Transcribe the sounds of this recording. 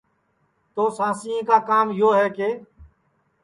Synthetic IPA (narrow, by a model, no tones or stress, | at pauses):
t̪oːsãːsĩːẽːkaːkaːmjoːɦɛːkeː